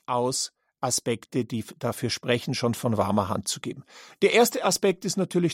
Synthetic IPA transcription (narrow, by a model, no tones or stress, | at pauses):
ʔaʊs | ʔaspɛktəd̥iːd̥afyːɐʃpʁ̥ɛçn̩ʃoːnfɔnva̰ɐmɐɦa̰ntt͡suɡḛːbm̩d̥eːɐʔeːɐstəaspɛk̚tɪstnatʰyːɐlɪç